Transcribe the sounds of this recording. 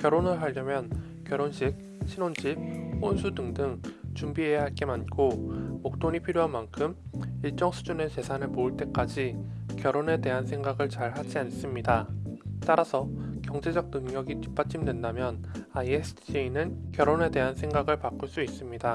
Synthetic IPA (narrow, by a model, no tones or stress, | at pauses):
kjʌɾonɯɭɦaʎːʌmjʌn | kjʌɾonɕʰik̚ | ɕʰinond͡ʑip̚honsʰudɯŋdɯŋt͡ɕumbiɦe̞jaɦaɭk͈e̞mank͈ʰomok̚t͈onɲipʰiɾjoɦanmankʰɯmiɭt͡ɕ͈ʌŋsʰud͡ʑunet͡ɕe̞sʰanemoɯɭt͈e̞k͈ad͡ʑikjʌɾone̞te̞ɦansʰe̞ŋɡaɡɯɭt͡ɕaɭhad͡ʑians͈ɯmɲidat͈aɾasʰʌkjʌŋd͡ʑe̞d͡ʑʌɡ̚nɯŋɲʌɡit͡ɕi̥p͈̚at͡ɕ͈imdwendamjʌnaiesʰɯ̥d͡ʑʰiinɯnkjʌɾone̞de̞ɦansʰe̞ŋɡaɡɯɭpak͈uɭs͈uis͈ɯmɲida